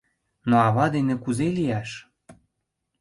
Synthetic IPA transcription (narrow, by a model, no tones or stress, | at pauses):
noɑβɑd̪enĕkuzelijæʃ